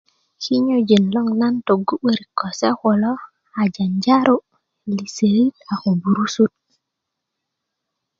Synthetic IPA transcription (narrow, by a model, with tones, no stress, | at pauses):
ki˦ɲo˦d͡ʒe˨nlo˦ŋna˦nto˨ɡu˦ɓe˦ɾi˨ko˨se˦xo˨lo˦ | a˨d͡ʒa˨nd͡ʒa˦ɾo˦ | li˨se˨ɾi˦ta˨xu˨bu˨ɾu˦su˦t̚